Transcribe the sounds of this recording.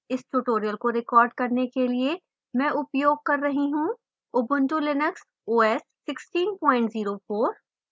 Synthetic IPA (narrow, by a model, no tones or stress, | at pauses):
ɪsʈuʈoːɾijəlkoɾɪkɔːɾɖ̚kɐɾnekelie | mɛ̃ʔʊpjoːɡ̚kɐɾːɐɦiɦũ | ʊbʊ̃nʈulɪnəks | oːɛːsːɪksʈiːnpɔ̃ːɪ̃ɳʈziːɾofoːɾ